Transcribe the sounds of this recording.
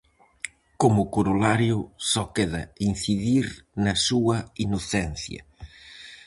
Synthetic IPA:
komʊkoɾolaɾjʊsɔkeðɐ̰in̟θiðiɾnɐsuɐinoθɛn̟θjɐ̰

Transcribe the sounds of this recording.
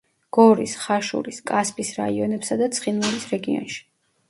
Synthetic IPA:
ɡ̥ɔɾisχaʃṵɾiskʼaspʼisɾa̰iɔnɛpsad̪at̪sʰχinvɛlisɾɛɡiɔ̰nʃi̥

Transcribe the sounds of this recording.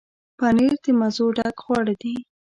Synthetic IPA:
paneɾd̪əmazoɖaɡɣwɑɽad̪i

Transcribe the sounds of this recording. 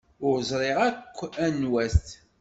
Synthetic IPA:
ʊɾzˤɾˤɪʁækʷːænwæst̪

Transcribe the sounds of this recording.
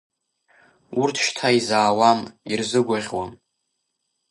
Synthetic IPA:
urtʰʃtʰaizaːwamirzɨɡʷaʁʲwam

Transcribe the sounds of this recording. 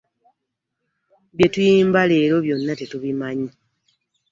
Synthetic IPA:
βje̞tujiːmbale̞ːɾo̞βjo̞nːate̞tuβimaɲi

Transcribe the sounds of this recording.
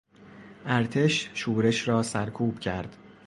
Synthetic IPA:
ʔæɾt̪ʰe̞ʃʃuːɾe̞ʃɾɒːsæɾkʰuːb̥cʰæɾd̪̥

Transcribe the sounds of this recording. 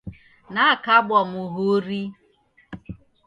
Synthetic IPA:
naakabɔmʊɦoɾi

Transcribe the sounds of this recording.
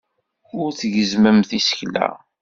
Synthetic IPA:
ʊɾθʝəzməmθisə̥çlæ̰

